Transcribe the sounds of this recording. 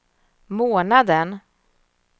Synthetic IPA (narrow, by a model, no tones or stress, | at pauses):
moːnad̪ən